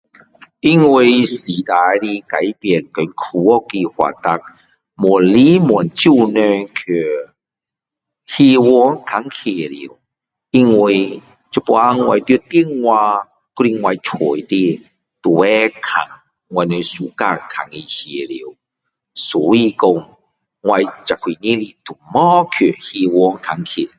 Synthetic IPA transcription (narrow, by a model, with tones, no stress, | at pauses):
i˧ŋwi˧˩si˨˩t̪a˨jli˧ka˨˦jpjɛ˨˩nkɔ˨˦nkʰu˧ɔ˦˧ki˧hwa̰˨˩t̪a˧˩k̚ | mɔ˨˩nli˦mɔ˨˩nt͡ɕu˥˧nø˧kʰø˨˩ | hi˧wɔ˧˦nkʰa˨˦ŋkʰe˨˩lḭ˨˩˦w | i˧ŋwi˧˩ | t͡ɕu˧˦po˧a˦ŋwa˧jt̪ji˧t̪i˥˧ŋwa˧ | ku˧˦li˧ŋwa˧jt͡ʃʰɔ˨˩jt̪i˧ | t̪u˨˩ɛ˦kʰa̰˨˩ŋ | ŋwa˧jnə˧su˨˩ka˧kʰa˨ŋi˧hje˨˩lḭ˨˦w | sɔ˨˦i˧ko˧ŋ | ŋwa˧jt͡ɕa˨˩kʰːi˨˩nĩ˦li˧t̪ʰu˨˩mɔ˦kʰø˨˩hi˧wɔ˧˦ŋkʰa˨˦ŋkʰḛ˨˩˨